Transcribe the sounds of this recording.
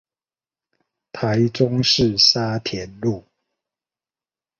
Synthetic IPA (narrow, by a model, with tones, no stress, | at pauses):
t̪ʰa˨˦ɪʈ͡ʂʊ˦ŋʂɻ̩˥˨sa˦t̪ʰjɛ˨˦nlu˥˨